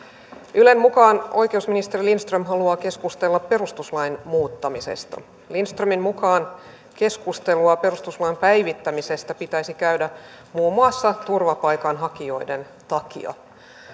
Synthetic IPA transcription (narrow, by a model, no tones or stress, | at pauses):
ylemmukɑːnʔo̞jk̟e̞usminist̪erilinst̪rømɦɑluɑːke̞skust̪e̞lːɑppe̞ɾust̪uslɑjnmuːt̪ːɑmisḛst̪ɑ̰ | linst̪rømimmukɑːn | ke̞skust̪e̞luɑpe̞ɾust̪uslɑimpæjʋit̪ːæmise̞st̪æpit̪æjsikæydæ | muːmɑsːɑt̪urʋɑpɑjkɑnɦɑkio̞jde̞n | t̪ɑkḭɑ̰